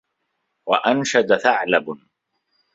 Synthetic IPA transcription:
waʔanʃad̪aθaʕlab

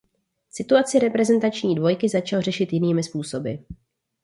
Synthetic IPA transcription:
sɪt̪uat͡sɪɾɛpɾɛzɛnt̪at͡ʃɲiːdvo̞jkɪzat͡ʃalor̝ɛʃɪt̪jɪniːmɪspuːso̞bɪ

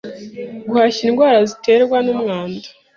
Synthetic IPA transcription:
ɡuhaçinɡwaːɾazite̞ːɾɡwanumŋaːndḁ

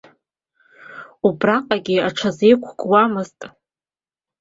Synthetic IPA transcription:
ubraqʼaɡʲiaʈ͡ʂʰazejkʷʰɡwamɨztʼ

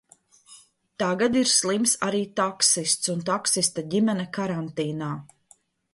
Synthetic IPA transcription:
t̪aɡad̪iɾslˠimsaɾiːt̪ɔksist̪sunt̪ɔksist̪aɟimɛnɛkaɾant̪iːnaː

